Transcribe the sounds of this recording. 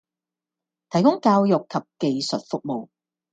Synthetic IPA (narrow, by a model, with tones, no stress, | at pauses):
t̪ʰɐ˨˩jkʊ˥ŋkaː˧wjʊ˨kʰːɐ˨p̚ke˨jsɵ˨t̚fʊ˨k̚mo˨w